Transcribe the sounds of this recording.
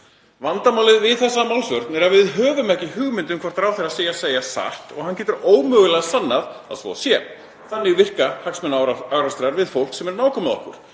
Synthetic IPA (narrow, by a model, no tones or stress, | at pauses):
vant̪amawlɪðvɪðθɛsːamawlsvœɾt̪nɛɾaðvɪðɦœːvʏmɛhcɪɦʏɣmɪnt̪ʏmkʰvɔɾt̪aɾawθeɾaseːjaseːjasa̰ht̪ɔɣhancɛːt̪ʏɾoːwmœːɣʏlɛɣasanːaða̰ðsvɔ̰sjɛ | θanːɪɣvɪr̥kahaksmɛnawɾast̪ɾaɾvɪðfowl̥ksɛmɛɾnaːwkʰɔmaðɔ̰hkʏ̰ɾ̥